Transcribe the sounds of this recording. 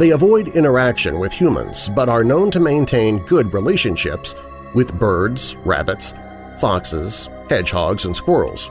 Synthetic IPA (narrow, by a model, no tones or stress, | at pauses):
ðeɪəvɔɪɾɪ̃ɾ̃ə˞ækʃɨ̰̃nwɪð̥hjʉmə̰̃nz̥bʌɾə˞nõʊ̃ntʰɨmẽɪ̃ntʰẽɪ̃nɡʊd̚ɹileɪʃɨ̃nʃɪ̰ps | wɪðbɜ˞dz̥ɹæ̰bɨts | fɑksɪ̰z̥ | hɛ̥ʒ̥hɑ̰ɡzə̃nskwɜ˞l̩ˠz̥